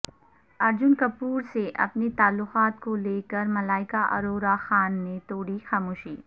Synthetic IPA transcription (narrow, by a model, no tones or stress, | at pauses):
ɐɾd͡ʒʊnkɐpuːɾseʔɐ̰pnet̪aːlːʊqaːt̪koleːkəɾmɐlaːɪkaʔɐ̰ɾoːɾaxaːnːet̪oːɽixaːmoːʃiː